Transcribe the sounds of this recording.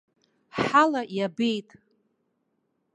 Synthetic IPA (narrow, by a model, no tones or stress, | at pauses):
ħalajabe̞jtʼ